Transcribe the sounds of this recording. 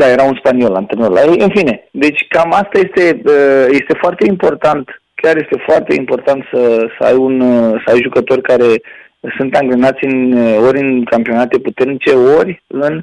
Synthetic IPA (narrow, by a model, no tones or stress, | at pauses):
d̪aje̞ɾaunspanio̞lant̪enoɾla̰jejɨnfine̞d̪e̞t͡ʃʲkamast̪aje̞st̪e̞əje̞st̪e̞foart̪e̞impo̞rt̪ant̪ | kʲjarje̞st̪e̞foart̪e̞̰impo̞rt̪ant̪səsəa̰junsəajʒukət̪o̞rʲkaɾe̞ | sunt̪aŋɡlenat̪sʲɨnəo̞ɾʲɨnkampio̞nat̪e̞put̪e̞rnit͡ʃe̞o̞ɾʲɨn